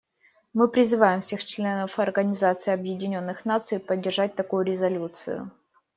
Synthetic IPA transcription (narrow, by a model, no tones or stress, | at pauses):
mɨpɾʲɪzɨvajɪmfsʲe̞xt͡ɕlʲe̞nəfɐrɡənʲɪzat̪sɨɪɐbjɪdʲɪnʲo̞nːɨxnat̪sɨjpədʲːɪrʐat̚ʲt̪ɐkujʊɾʲɪzɐlʲut̪sɨ̰jʊ̰